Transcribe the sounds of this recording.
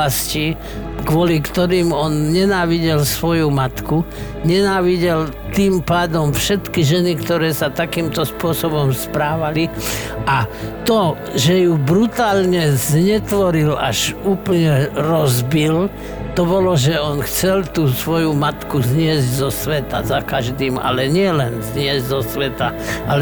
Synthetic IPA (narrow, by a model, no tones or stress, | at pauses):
asci | kʋɔlikt̪ɔɾiːmɔnɲɛnaːʋiɟɛlsʋɔjumat̪ku | ɲɛnaːʋiɟɛl | t̪iːmpaːd̪ɔmfʃɛt̪kiʒɛnikt̪ɔɾɛːsat̪akiːmt̪ɔspʊɔsɔbɔmspɾaːʋali | ʔat̪ɔ | ʒɛjubɾut̪aːlɲɛzɲɛt̪ʋɔɾila̰ʒuːplɲɛɾɔzbil | t̪ɔbɔlɔʒɛɔnxt͡sɛlt̪uːsʋɔjumat̪kuzɲɪɛzɟzɔsʋɛt̪a̰zakaʒd̪iːma̰lɛɲɪɛlɛnzɲɪɛzɟzɔsʋɛt̪aal